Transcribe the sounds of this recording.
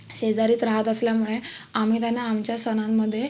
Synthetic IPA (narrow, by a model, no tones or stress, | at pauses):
ɕed͡zaɾiːt͡sɾaɦat̪əsljamuɭeamiːt̪janaːmt͡ɕjasənamːəd̪ʱːje